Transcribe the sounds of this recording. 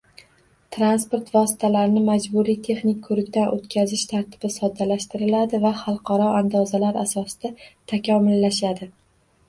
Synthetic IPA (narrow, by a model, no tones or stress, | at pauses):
t̪ʰɾanspoɾt̪vɒsɪ̥t̪ʰalaɾɪnɪmad͡ʒbʊɾijt̪ʰe̞χnɪkʲkʰɵɾɪk̚ʲt̪anʔɵ̰t̪kʲʰazɪʃt̪ʰaɾt̪ʰɪ̥b̥ɪsɒd̪ːalaʃt̪ɪɾɪlad̪ɪvaχɑlˠqʰɑɾɒʔand̪ɒzalaɾasɒsɪ̥d̪̥at̪ʰakʲɒmɪlːaʃad̪ɪ